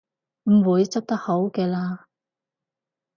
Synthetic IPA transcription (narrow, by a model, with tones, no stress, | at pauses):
m̩˨˩wuː˨˧jt͡sɐ˥p̚t̪ɐ˥k̚ho˨˥wkɛː˧laː˧